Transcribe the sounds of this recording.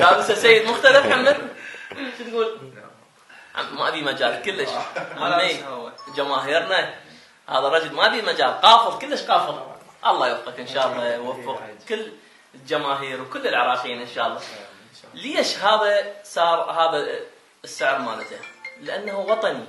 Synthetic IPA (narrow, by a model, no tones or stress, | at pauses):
daːbɪsasejːɪd̪mʊxt̪alafħamːɪn | t͡ʃnɡuːl | ʕa̰ma̰biːmad͡ʒaːlkəlːəʃʕaamːed͡ʒamaːɦiːɾna | ha̰ːðarˤɑd͡ʒʊlmabiːmad͡ʒaːlqɑːfɨðˤkəlːəʃqɑːfɨð | ʔɑlˤːɑːjʊfqɑkʔɪnʃɑːʔɑlˤːɑwafːʊqkəlː | ld͡ʒamaːɦiːɾwkʊlːəlʕɑɾˤɑːqiːnʔɪnʃaːʔɑlˤːɑ | leʃɦaːðasˤɑːɾˤhaːða | sːɪʕɾma̰ːlat̪alɪʔanːahuwɑt̪ˤɑni